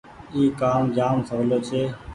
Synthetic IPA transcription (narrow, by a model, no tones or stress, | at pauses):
iːkaːmd͡ʒaːmsəʋloːt͡ʃʰeː